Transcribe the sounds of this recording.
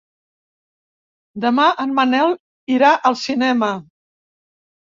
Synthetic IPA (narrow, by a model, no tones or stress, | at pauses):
d̪əmaʔənmənɛl | iɾaʔəlˠsinɛmə